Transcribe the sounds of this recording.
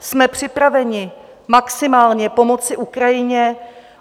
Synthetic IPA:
smɛpr̥ɪpɾavɛɲɪ | maksɪmaːlɲɛpo̞mo̞t͡sɪʔukɾajɪɲɛ

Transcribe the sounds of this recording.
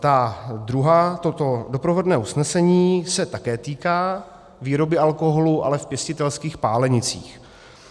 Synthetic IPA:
t̪ad̪ɾuɦaːt̪ot̪odopɾovodnɛːʔusnɛsɛɲiːsɛt̪akɛːt̪iːkaː | viːɾo̞bɪʔalko̞ɦoluʔa̰lɛfpjɛscɪt̪ɛlskiːxpaːlɛɲɪt͡sḭːx

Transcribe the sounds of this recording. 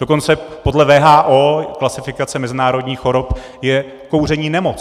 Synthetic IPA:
doko̞nt͡sɛpo̞dlɛvɛːɦaːʔoːklasɪfɪkat͡sɛmɛzɪnaːɾo̞dɲiːxo̞ɾop | jɛ | ko̞wr̝ɛɲiːnɛmot͡s

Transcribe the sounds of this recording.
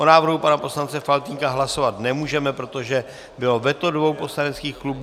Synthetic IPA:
ʔonaːvr̩ɦupanapo̞slant͡sɛfalt̪iŋkaɦlaso̞vat̪nɛmuːʒɛmɛpɾo̞t̪o̞ʒɛ | bɪlo̞vɛt̪o̞dvo̞wpo̞slanɛt͡skiːxklub

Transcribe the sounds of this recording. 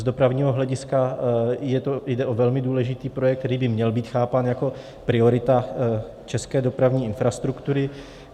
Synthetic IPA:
zdo̞pɾavɲiːɦoɦlɛɟɪskajɛt̪ojdɛʔovɛlmɪduːlɛʒɪt̪iːpɾo̞jɛk̚t̪ɛɾiːbɪmɲɛlbiːt̪xaːpaːnjako̞ | pɾɪoɾɪt̪a | t͡ʃɛskɛːdo̞pɾavɲiːɪnfɾast̪ɾukt̪uɾɪ

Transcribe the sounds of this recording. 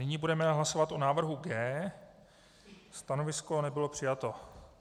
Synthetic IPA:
nɪɲibudɛmɛɦlaso̞vat̪ʔonaːvr̩ɦuɡɛː | st̪ano̞vɪsko̞nɛbɪlo̞pr̝̥ɪjat̪o̞

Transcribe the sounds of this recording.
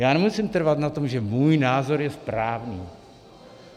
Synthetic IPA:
jaːnɛmusɪmt̪r̩vat̪nat̪o̞mʒɛmuːjnaːzo̞ɾjɛspɾaːvniː

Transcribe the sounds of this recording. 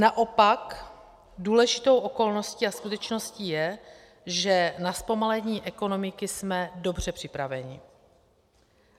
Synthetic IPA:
naʔo̞pak | duːlɛʒɪt̪o̞wʔoko̞lno̞sciaskut̪ɛt͡ʃno̞sciːjɛ | ʒɛnaspo̞malɛɲiːʔɛko̞no̞mɪkɪsmɛdo̞br̝̥ɛpr̝̥ɪpɾavɛɲɪ̰

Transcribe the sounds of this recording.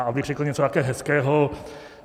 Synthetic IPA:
abir̥ɛklɲɛt͡sot̪akɛːɦɛskɛːɦo

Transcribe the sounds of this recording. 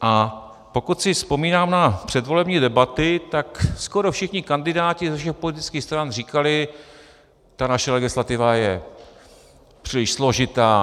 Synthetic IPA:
ʔa | po̞kut̪sɪfspo̞miːnaːmnapr̝̥ɛd̪vo̞lɛbɲiːdɛbat̪ɪt̪aksko̞ɾo̞fʃɪxɲɪkandɪdaːcɪzɛfʃ̬ɛxpo̞lɪt̪ɪ̥t͡skiːxst̪ɾanriːkalɪ | t̪anaʃɛlɛɡɪslat̪ɪvajɛ | pr̥iːlɪʃslo̞ʒɪt̪aː

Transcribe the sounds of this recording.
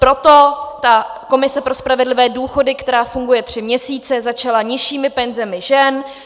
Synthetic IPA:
pɾo̞t̪o̞t̪ako̞mɪsɛpɾo̞spɾavɛdlɪvɛːduːxo̞dɪkt̪ɛɾaːfuŋɡujɛt̪r̥ɪmɲɛsiːt͡sɛzat͡ʃalaɲɪʃiːmɪpɛnzɛmɪʒɛn

